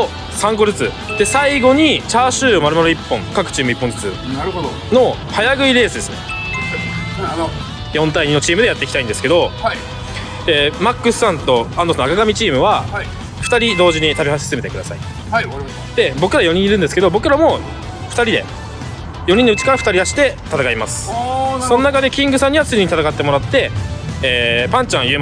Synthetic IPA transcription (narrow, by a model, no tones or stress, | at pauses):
o | sãŋk̬o̞ɾɨt͡sɨ | d̪̥e̞saiɡo̞ɲ̟it͡ɕaːɕɨːomaɾɯ̟maɾoipːõ̞ŋkakɯ̟t͡ɕiːmɯ̟ipːõzɨt͡sɨ̰d̪ | no̞ | hajaɡɯ̟iɾe̞ːsɨd̪esɨne̞ | jõ̞nt̪aiɲino̞t͡ɕiːmɯ̟d̪e̞jat̪ːe̞kʲi̥t̪aĩnd̪eɨ̥ke̞d̪o̞ | d̪emakːɯ̟ssãnt̪o̞ãnd̪osnakaɡamʲit͡ɕiːmɯ̟βa | ɸɯ̥t̪aɾʲid̪o̞ːʑiɲ̟it̪abʲihase̥seme̞t̪ekɯ̟d̪asa̰ḭ | d̪̥e̞bo̞kɯ̟ɾajo̞ɲ̟ĩɲiɾɯ̃nd̪e̞sɨ̥ke̞d̪o̞bo̞kɯ̟ɾamo̞ | ɸɯ̥t̪aɾʲid̪e̞̰ | jo̞ɲ̟ĩnoɯ̟t͡ɕi̥kaɾaɸɯ̟t̪aɾʲid̪aɕi̥t̪e̞t̪at̪akaimasɨ̥so̞nnakad̪e̞kʲĩŋɡɯ̟sãɲ̟ːiβat͡sɨɲiɲit̪at̪akat̪ːe̞mo̞ɾat̪ːe̞ː | pãɲ̟t͡ɕãɰ̃jɯm